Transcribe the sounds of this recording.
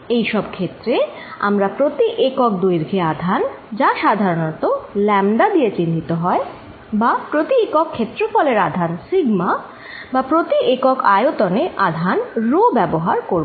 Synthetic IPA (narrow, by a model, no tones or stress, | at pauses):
ejʃɔbkʰet̪ːɾe | a̰mɾapɾot̪iʔekok̚d̪ujɾɡʱead̪ʱand͡ʑaʃad̪ʱaɾonɔt̪olɛmd̪ad̪ijet͡ɕind̪it̪oɦɔe | bapɾot̪iekokʰːet̪ːɾofɔleɾad̪ʱansiɡma | bapɾot̪iʔekokajot̪oneʔad̪ʱanɾobɛboɦaɾkoɾ